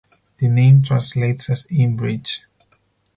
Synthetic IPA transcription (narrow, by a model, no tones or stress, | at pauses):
ð̥ɨnẽɪ̃mtʰɹãnsletsɨsĩnbɹid͡ʒ